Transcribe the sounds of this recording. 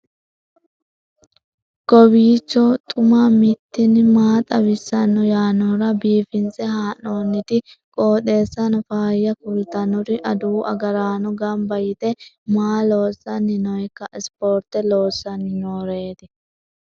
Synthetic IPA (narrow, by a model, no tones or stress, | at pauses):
ɡ̥ɔbiːt͡ʃːɔt̪ʼʊmamɪt̪ːɪnɪmaːt̪ʼɐbɪsːɐnːɔjaːnɔɾɐbiːfɪnsɛhaːnoːnːɪt̪ɪ | kʼoːt̪e̞ːsːɐnɔfaːjːɐkʊlt̪ɐnɔɾɪʔɐd̪uːʔɐ̰ɡɐɾaːnɔɡɐmbɐjɪt̪ɛ | maːloːsːɐnːɪnɔjkːɐɪspoːɾt̪ɛloːsːɐnːɪnoːɾeːt̪ɪ